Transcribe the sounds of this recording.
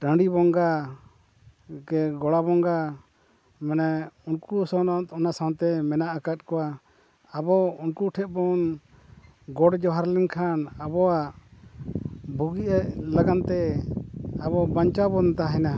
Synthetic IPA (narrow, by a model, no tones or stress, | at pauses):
ʈə̃ɳɖibɔŋɡa | kɛɡɔɽabɔŋɡa | mɛnɛunkusɔnat̪ɔnasaw̃nt̪ɛmɛnaʔakat̪̚kɔwa | abɔunkuʈʰɛʔ̪̚ˀbɔn | ɡɔɽd͡ʒɔɦaɾliŋkʰanabɔaʔ | bʱuɡiʔɛlaɡant̪ɛ | abɔbaɲt͡ʃabɔnt̪aɦɛna